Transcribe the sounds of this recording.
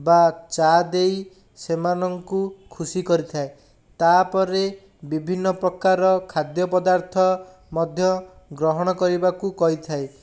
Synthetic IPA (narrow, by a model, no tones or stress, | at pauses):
bat͡ʃad̪ej | semanɔŋkukʰusikɔɾit̪ʰae | t̪apɔɾe | bibʱinːɔpɾɔkaɾɔkʰad̪jɔpɔd̪aɾt̪ʰɔ | mɔd̪ʱjɔ | ɡɾɔɦɔɽ̃ɔkɔɾibakukɔɦit̪ʰae